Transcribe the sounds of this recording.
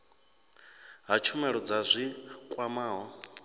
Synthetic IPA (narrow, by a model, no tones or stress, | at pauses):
ɦat͡ʃʰumɛɺɔd͡zazʷikʼwamaːɦɔ